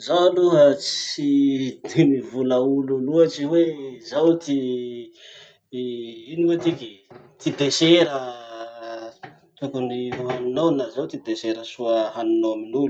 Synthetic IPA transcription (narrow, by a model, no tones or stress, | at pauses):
zaluɦət͡sit̪inivuləululuat͡ʃiwezawt̪i | iniwet̪ikʲit̪id̪eseɾə | t̪ukuniuɦanunownazewt̪id̪eseɾəsuəɦanunoaminulu